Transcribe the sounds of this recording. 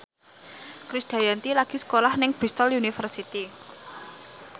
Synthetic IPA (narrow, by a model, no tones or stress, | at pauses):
kɾisd̪̥a̤jant̪ilaɡ̥isə̥kolahnɪŋb̥ɾist̪əljunifərsit̪i